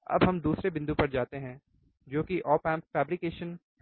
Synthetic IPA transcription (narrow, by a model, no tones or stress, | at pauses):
ɐ̰bɦɐmd̪uːsɾebɪ̃nd̪upɐɾd͡ʒaːt̪eɦɛ̃ː | d͡ʒoːkiʔɔːpɛfɛːbɾɪkeːʃən